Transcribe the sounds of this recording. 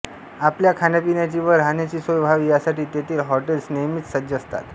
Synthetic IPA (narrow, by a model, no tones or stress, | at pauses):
apljakʰanapinjat͡ɕiʋəɾɦanjat͡ɕiːsəwbʱaʋiːjasaʈiːt̪et̪ʰiːlɦɔʈelsnejmit̪səd͡ʑəst̪a̰t̪